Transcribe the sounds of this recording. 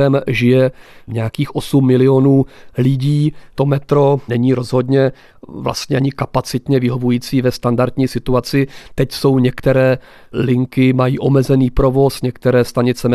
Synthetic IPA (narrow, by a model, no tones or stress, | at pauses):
ɛmʒɪjɛɲɛjakiːxʔo̞sumːɪlɪo̞nuːlɪɟiːt̪o̞mɛt̪ɾo̞nɛɲiːɾo̞zɦo̞dɲɛ | vla̰st̪ɲɛaɲɪkapat͡sɪt̪ɲɛvɪɦo̞vujiːt͡siːvɛst̪andaɾd̪ɲiːsɪt̪uat͡sɪt̪ɛcso̞wɲɛkt̪ɛɾɛː | lɪŋkɪmajiːʔo̞mɛzɛniːpɾo̞vo̞sɲɛkt̪ɛɾɛːst̪aɲɪt͡sɛmɛ